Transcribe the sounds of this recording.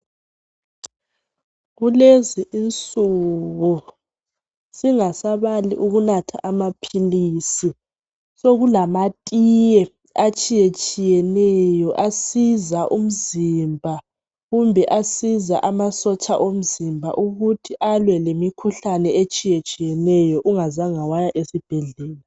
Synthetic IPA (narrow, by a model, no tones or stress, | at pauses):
ɣuleziʔint͡sʼuɣu | siŋasaβaliʔuɣunatʰa̰ʔamapʰiliːsi | soɣulamatʼijɛ | at͡ʃʼijet͡ʃʼijɛnɛjɔʔasizaʔum̩zimbʱa | ɣumbʱɛʔasiza̰ʔamasɔt͡ʃʼaʔom̩zimbʱa̰ʔuɣutʰiʔalwɛlemikʰuɬanɛet͡ʃʼijet͡ʃʼijɛnɛjɔʔuŋazaŋawajaʔesib̥ʱɛɮɛːla